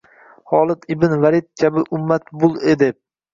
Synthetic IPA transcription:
hɒːlˠɪt̪ʰɪbɪnvaɾɪt̪̚kʲʰabɪʔʊmːat̪bʊlˠed̪ɪp

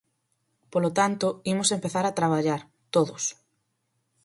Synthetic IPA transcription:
polot̪ant̪ʊimʊsempeθaɾat̪ɾaβ̞aʎaɾ | t̪oðʊs

